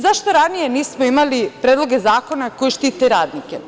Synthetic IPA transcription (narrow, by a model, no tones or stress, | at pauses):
zaʃt̪oɾanije̞niːsmoimalipɾeːd̪lˠo̞ɡe̞zaːko̞nakojiʃt̪iːt̪eɾaːd̪nike